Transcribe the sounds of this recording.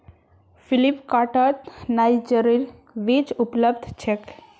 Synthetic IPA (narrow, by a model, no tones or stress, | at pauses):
fʰilipkaʈət̪najd͡ʒəɾiɾ | ʋet͡ʃupləb̚d̪ʱt͡ʃʰek